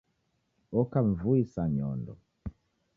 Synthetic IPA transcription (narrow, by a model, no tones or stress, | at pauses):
ɔkaɱ̩vuisaɲɔndɔ̰